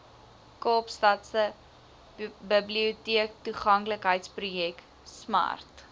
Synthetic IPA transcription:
kɑːpstɐtsə | bəbliutiək̚tuχɐŋkləkɦəjtsprujɛk | smɐ̰rt

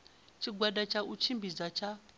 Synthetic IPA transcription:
t͡ʃʰiɡwadat͡ʃʰaut͡ʃʰimbid͡zat͡ʃʰa

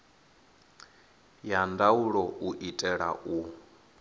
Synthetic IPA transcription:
jandauɺɔuʔitʼɛɺa̰ʔu

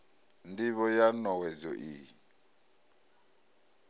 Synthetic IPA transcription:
ndiβɔjanɔwɛzɔ̰ʔi

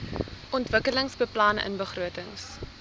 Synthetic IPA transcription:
ʔɔntvəkələŋsbəplɐnə̰nbəχruətəŋs

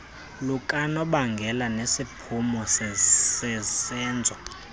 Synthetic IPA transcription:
lukʼanɔɓaŋɡʱɛlanesipʰumɔsɛsɛsɛːnd͡zʱwa

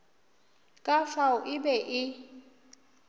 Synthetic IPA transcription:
kʼafaʊʔɪbɛʔɪ

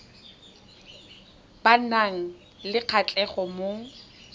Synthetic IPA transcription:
banaŋ̩ | lɪq͡χʰat͡ɬʼɛχɔmo

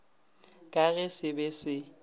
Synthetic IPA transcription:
kʼaɣɛsɪbesɪ

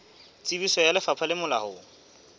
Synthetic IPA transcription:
t͡sʼibisɔjalɪfapʰalɪmʊla̰hʊ

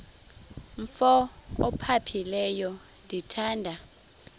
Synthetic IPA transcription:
ɱfɔɔ̰pʰapʰilɛjɔ | ndʱitʰaːndʱa

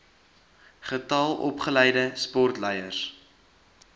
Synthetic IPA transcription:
χətɑlˠʔɔ̰pχəlɛjdəspɔrtlɛjərs

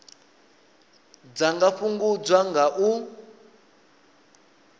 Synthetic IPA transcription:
d͡zaŋɡaɸuŋɡud͡zwaŋɡaʔu

